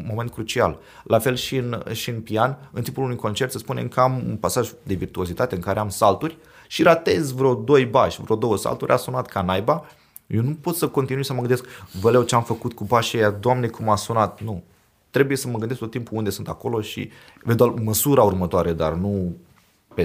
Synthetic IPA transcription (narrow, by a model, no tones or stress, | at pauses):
mo̞ment̪̚kɾut͡ʃia̰l | lʔafe̞lʃiɨnʃiɨnpianɨnt̪impulunujko̞nt͡ʃe̞rt̪səspunḛmkəamṵnpasaʒd̪e̞virt̪uo̞zit̪at̪e̞ɨŋkaɾe̞amsalt̪urʲ | ʃiɾat̪e̞zvɾeod̪o̞jbaʃʲvɾeod̪o̞wəsa̰lt̪uɾʲʔa̰sunat̪kanajba | jewnupo̞t̪səko̞nt̪inujsəməɡɨnd̪e̞skvəlewt͡ʃeamfəkut̪kubaʃejad̪oamne̞kʰumasunat̪̚nu | t̪ɾe̞buje̞səməɡɨnd̪eskt̪ot̪ːimpuund̪esunt̪ako̞lo̞ʃḭ | ved̪alməsuɾaurmət̪oaɾe̞d̪a̰rnu | pe